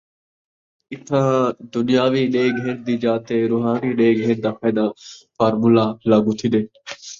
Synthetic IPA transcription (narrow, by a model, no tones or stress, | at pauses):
ɪt̪ʰãːd̪ʊnɪjaːʋiːɗeːɡɦẽːnd̪iːd͡ʒaːt̪eːɾʊːɦaːniːɗeːɡɦẽːnd̪aːpʰɛːd̪aːfʰaːɾmulaːlaːɡuːt̪ʰid̪eː